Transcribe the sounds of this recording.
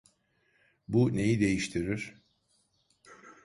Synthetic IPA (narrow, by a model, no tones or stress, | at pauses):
bune̞jid̪e̞jiʃt̪ʰiɾiɾ̥